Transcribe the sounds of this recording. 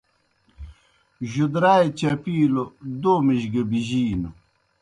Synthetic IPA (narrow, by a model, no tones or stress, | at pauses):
ʑud̪ɾaːjt͡ɕɐpiːlod̪oːmiʑɡɐbiʑiːnu